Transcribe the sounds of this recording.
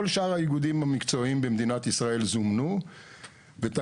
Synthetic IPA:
olʃaʁhaiɡud̪imhamikt͡so̞imbe̞md̪inat̪isʁae̞lzumnu | vet̪a

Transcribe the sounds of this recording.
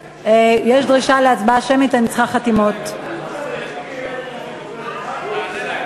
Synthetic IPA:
ejeʃdʁiʃaleat͡sbaʃemit̪anit͡sχaχatimo̞t

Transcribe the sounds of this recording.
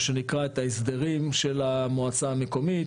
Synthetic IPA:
ʃe̞nikʁaet̪aisd̪eʁimʃe̞lamoat͡saːme̞ko̞mi

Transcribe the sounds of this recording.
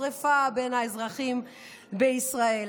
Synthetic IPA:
ʁefabenhaezʁaχim | beisʁae

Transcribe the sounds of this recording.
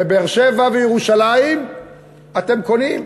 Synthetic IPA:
ebeːʁʃevavejeʁuʃalaim | at̪e̞mko̞nim

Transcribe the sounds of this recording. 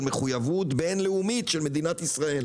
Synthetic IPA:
lme̞χujavut̪be̞nleumitʃelme̞d̪inat̪isʁae̞l

